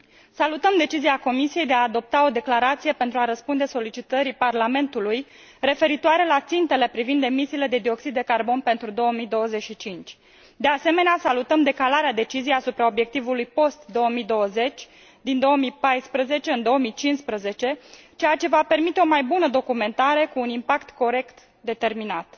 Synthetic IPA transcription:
salut̪əmd̪e̞t͡ʃiziako̞misije̞jd̪eaːd̪o̞p̚t̪ao̞d̪e̞klaɾat̪sije̞pe̞nt̪ɾuaɾəspund̪e̞so̞lit͡ʃit̪əɾiparlame̞nt̪uluj | re̞fe̞ɾit̪oaɾe̞lat̪sint̪e̞le̞pɾivind̪e̞misiːle̞d̪e̞d̪io̞ksid̪ːe̞karbo̞npe̞nt̪ɾud̪o̞omid̪o̞wəze̞t͡ʃʃit͡ʃint͡ʃʲ | d̪ease̞me̞neasalut̪əmd̪e̞kalaɾead̪e̞t͡ʃizijeasupɾao̞bje̞k̚t̪ivulujpo̞st̪d̪o̞omid̪o̞wəze̞t͡ʃʲ | d̪ind̪o̞əmipajspɾəze̞t͡ʃe̞ɨnd̪o̞əmit͡ʃinspɾəze̞t͡ʃe̞t͡ʃe̞jat͡ʃe̞vape̞rmit̪eomajbunəd̪o̞kume̞nt̪aɾe̞kuːnimpakt̪ko̞ɾe̞kt̪ | d̪e̞t̪e̞rminat̪

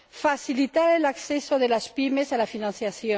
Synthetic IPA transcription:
faθilit̪aɾelakθesoðelaspimesalafinãnθjaθjo

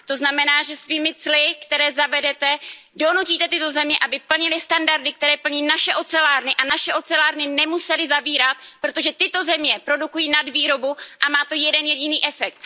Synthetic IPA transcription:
t̪o̞znamɛnaːʒɛsviːmɪt͡slɪkt̪ɛɾɛːzavɛdɛt̪ɛ | do̞nuciːt̪ɛt̪ɪt̪o̞zɛmɲɛʔabɪpl̩ɲɪlɪst̪andaɾdɪk̚t̪ɛɾɛːpl̩ɲiːnaʃɛʔo̞t͡sɛlaːɾnɪʔanaʃɛʔo̞t͡sɛlaːɾnɪnɛmusɛlɪzaviːɾat̪̚pɾo̞t̪o̞ʒɛt̪ɪt̪o̞zɛmɲɛpɾo̞dukujiːnadviːɾo̞buʔamaːt̪o̞jɛdɛnjɛɟɪniːʔɛfɛk̚t̪

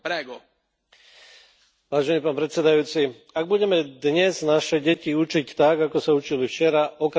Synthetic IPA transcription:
pɾɛɡɔ | ʋaːʒɛniːpaːpɾɛt̪sɛd̪ajuːt͡si | aɡ̚buɟɛmɛd̪ɲɛznaʃɛɟɛciut͡ʃict̪aɡakɔsaut͡ʃilift͡ʃɛɾaʔɔk

